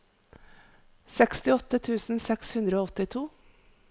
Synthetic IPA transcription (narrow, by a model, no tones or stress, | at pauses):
sɛkst̪ɪɔt̪ːət̪ʰʉːsn̩sɛkshʉnd̪ɾəoːɔt̪ːɪt̪ʰuː